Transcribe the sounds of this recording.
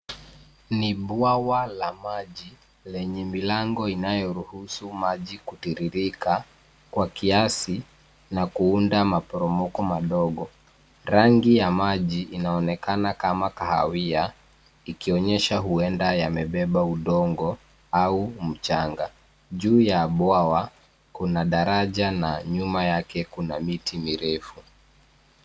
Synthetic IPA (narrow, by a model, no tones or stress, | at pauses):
niɓwawalamaʄi | lɛɲɛmilaŋɡɔinajɔɾuhusumaʄikutiɾiɾika | kwakiasi | nakuundamapɔɾɔmɔkɔmaɗɔɠɔ | ɾaŋɡijamaʄiʔinaɔnɛkanakamakaha̰wia | ikiɔɲɛʃaɦuɛndajamɛɓɛɓauɗɔŋɡɔ | aum̩t͡ʃaŋɡa | ʄuːjaːɓwawa | kunaɗaɾaʄanaɲumajakɛkunamitʰimiɾɛfu